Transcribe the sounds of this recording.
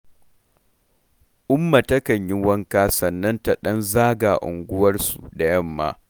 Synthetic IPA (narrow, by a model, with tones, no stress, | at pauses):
ʔʊ˦mːa˨tɐ˦kɐ˨ɲji˦wɐ˦ŋkaː˦sɐ˨nːɐ˦nta˨ɗɐ˦nzaː˦ɡaː˨ʔʊ̰˨ŋɡʷʊ˦wɐ˦rsṵ˨da˨jɐ˦˨mːa̰ː˦